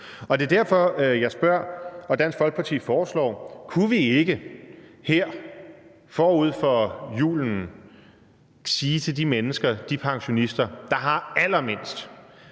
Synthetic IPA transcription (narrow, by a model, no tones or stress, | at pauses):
ɒ̽d̥e̝ɐd̥æɐ̰fɒ̽jɑ̈ɪsb̥ɶɐ̰ɒ̽d̥ænsɡ̥fɒ̽l̰ɡ̥̚pʰɑ̈t͡sʰḭːfɒːslɒ̰ːkʰuʋie̝ɡ̥əheɐ̰ | fɒːuð̞̰ˠfɒjṵːln̩ | siːt͡sʰe̝ld̥imenəsɡ̥ɐd̥ipʰɑ̈ŋɕo̝nisd̥ɐd̥ɑ̈ɦɑ̈æl̰ɐme̝n̰sd̥